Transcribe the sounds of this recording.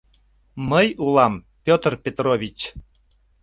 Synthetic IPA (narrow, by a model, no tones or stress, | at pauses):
məjulɑm | pʲot̪rpʲet̪rovʲit͡ɕ